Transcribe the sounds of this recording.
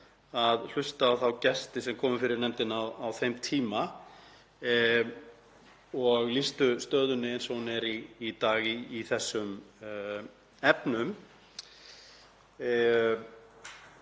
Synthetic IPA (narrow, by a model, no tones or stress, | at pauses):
aðl̥ʏst̪aːwθawcɛst̪ɪsɛmkʰɔːmʏfɪɾɪɾnɛmt̪ɪnawawθejmt̪ʰiːma | ɔɣlist̪ʏst̪œːðʏnːɪɛnsɔwnɛɾiːt̪aːɣiːθɛsːʏm | ɛpnʏm